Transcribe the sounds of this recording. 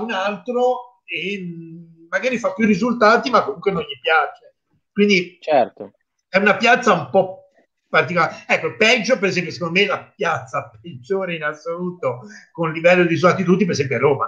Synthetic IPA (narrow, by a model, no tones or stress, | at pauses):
unalt̪ɾo | e | mːaɡaːɾifapːjurːizult̪aːt̪imakːomuŋkwenonʎipjaːt͡ʃe | kwind̪it͡ʃɛrt̪o | ɛunapjat̪saumpɔ | pːart̪̬ikolaɛkːopɛd͡ʒːopeɾezɛmpjosekond̪omelapjat̪sːaped͡ʒːoːɾeinasːoluːt̪okonlivɛlːod̪is̬uat̪ːit̪̬ud̪ipeɾezɛmpjoaroːma̰